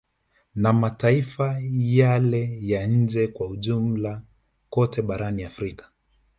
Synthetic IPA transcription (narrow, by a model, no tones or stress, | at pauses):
namataifajalɛjaɲ̩d͡ʒɛkwauʄumm̩la | kɔtʰɛɓaɾaniafɾikḁ